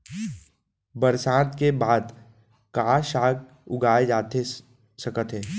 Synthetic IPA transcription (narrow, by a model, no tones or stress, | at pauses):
bəɾsaːt̪kebaːd̪ | kaːʃaːk | ʊ̰ɡaːed͡ʒaːt̪e | sɐkət̪ɦɛː